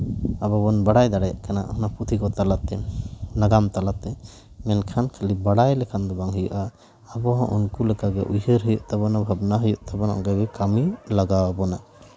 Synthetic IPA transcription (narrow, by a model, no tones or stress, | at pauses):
abɔbɔnbaɽajd̪aɽaja̰ʔkana̰ʔhɔnaput̪ʰikɔt̪alat̪ɛnaɡamt̪alat̪ɛ | mɛnkʰankʰəlibaɽajlɛkʰand̪ɔbaŋɦujuʔaː | bɔɦɔ̃ʔunkulɛkaɡɛ̰ʔujhəɾɦujuʔt̪abɔnabʱabnaɦujuʔt̪ʰabɔna̰ʔɡajɡɛkamilaɡawabɔnaʔ